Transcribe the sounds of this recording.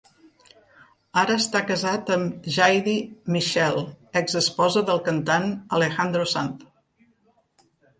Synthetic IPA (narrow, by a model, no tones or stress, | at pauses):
aɾəːst̪akəzat̪əmʒajðimiʃɛlˠəɡzəspɔzəðəlˠkənt̪anəlexand̪ɾusant̪